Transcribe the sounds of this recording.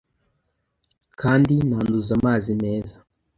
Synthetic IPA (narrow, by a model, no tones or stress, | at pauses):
kʰaːndinaːnduzamaːzime̞ːza